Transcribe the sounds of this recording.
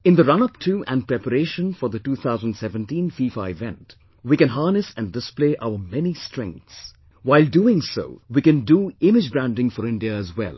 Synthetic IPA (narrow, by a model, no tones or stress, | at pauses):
ɪ̃nd̪əɾʌ̃nʌptʰuʔæ̰̃npɾɛpəɾeːʃə̃nfɔɾd̪əʈuːt̪ʰaʊzə̃nɖsɛvə̃nʈĩnfiːfa̰ɪvɛ̰̃nt | wiːkɨ̃nɦɑːnɨsæ̃ndɪspleːʔaʊəmɛnisʈɾɛ̰̃ŋk̚t̪s | waɪlduɪ̃ŋso̰ːwiːkɨ̃nduɪmɪd͡ʒbɾæ̃nɖɪ̃ŋfɔɾɪ̃nɖiəːzwɛ̰l